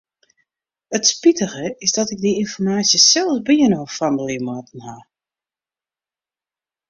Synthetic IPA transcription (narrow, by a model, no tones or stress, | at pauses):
ətspitəɣəɪzdɔtɪɡ̚diinfɔrmaːsjəsɛlˠsbiənoːfandəlimɔtən̩ha